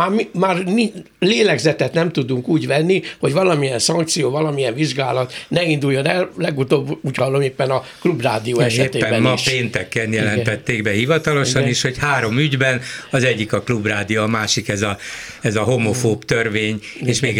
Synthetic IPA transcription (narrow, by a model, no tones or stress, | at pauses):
aːmimaːrni | leːlɛɡzɛt̪ɛt̪nɛmt̪ud̪uŋkuːɟvɛnːiho̞ɟʋɒlɒmijɛnsɒŋk̚t̪sijoːvɒlɒmijɛɱviʒɡaːlɒt̪nɛind̪ujːo̞nɛllɛɡut̪oːbuːɟhɒlːo̞meːpːɛnɒklubraːd̪ijoːɛʃɛeːeːɛmmɒpʃeːnt̪ɛkːɛnjɛlɛnt̪ɛt̪ːeːɡbɛhivɒt̪ɒlo̞ʃɒniʃho̞chaːɾo̞myɟbɛnɒzɛɟːikɒklubraːd̪ioːmaːʃikɛzɒ | ɛzɒɦomofoːpt̪ørveːɲ | eːʃmeːɡ